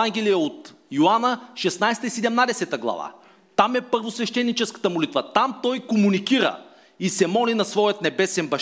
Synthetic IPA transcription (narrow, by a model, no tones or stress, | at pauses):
aŋɡʲɛlijəot̪joanəʃɛsnajst̪əisɛd̪ɛmnad̪ɛsɛt̪əɡlˠɐ̰va̰ | t̪amɛpəɾvosvɛʃt̪ɛnːit͡ʃɛskə̥t̪əmolit̪vət̪amt̪ɔjkomunikiɾə̰ | isɛmɔlinɐsvɔjət̪nɛbɛsɛnbɐʃ